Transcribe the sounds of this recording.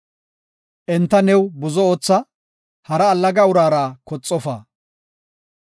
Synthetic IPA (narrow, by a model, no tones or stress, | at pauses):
ʔɛnt̪ːɐnɛwbʊzɔoːt͡sːɐ | hɐɾɐːlːɐɡɐʊɾaːɾaːkɔt͡sʼːɔfa̰ː